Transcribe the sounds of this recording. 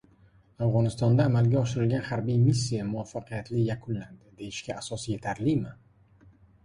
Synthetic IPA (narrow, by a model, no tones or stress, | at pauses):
avʁɒnɪst̪ɒnd̪aːmalɡʲaɒʃɪɾɪlɡʲanhaɾbijmis̬ːijamʊwafːaqʰɨjat̪ʰlɪjakʰʊnland̪ɪd̪e̞jɪʃkʲaasɒsje̞t̪ʰaɾlɪmɪ